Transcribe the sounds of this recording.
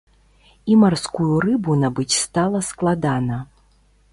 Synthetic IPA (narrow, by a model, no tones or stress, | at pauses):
imarskujurɨbunabɨt͡sʲst̪alˠɐsklˠad̪anɐ